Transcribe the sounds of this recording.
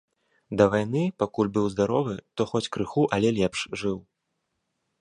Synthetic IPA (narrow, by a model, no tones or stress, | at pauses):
d̪ɐvajnɨpakulʲbɨwzd̪aɾɔvɨt̪ɔxɔt͡sʲkɾɨxuʔɐlʲɛlʲɛpʂʐɨw